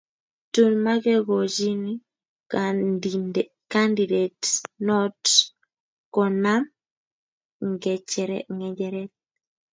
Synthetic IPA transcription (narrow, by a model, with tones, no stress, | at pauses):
tu˦˨nma˦ɡɛ˦ɡɔ˨d͡ʒi˦ni˦ | ka˦ndi˨de˨tnɔ˦t | kɔ˨na˦m | ŋɡɛ˨t͡ʃɛɾɛ̰ŋɡɛ˨d͡ʒɛ˨ɾɛ˦t̪̚